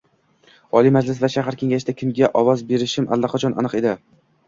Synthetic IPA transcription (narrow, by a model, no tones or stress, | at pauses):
ɒlˠimad͡ʒlɪslaɾʃaɦaɾkʲʰe̞ŋɡʲaʃɪd̪akʲʰɪmɡʲaʔɒvɒzbe̞ɾɪʃɪmʔa̰lˠːaqʰɒt͡ʃʰɒnʔa̰nɨqe̞d̪ɪ